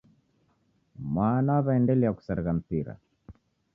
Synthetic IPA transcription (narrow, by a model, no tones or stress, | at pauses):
mwaːnawaβaɛndɛlɛjaku̥saɾɣam̩piɾa̰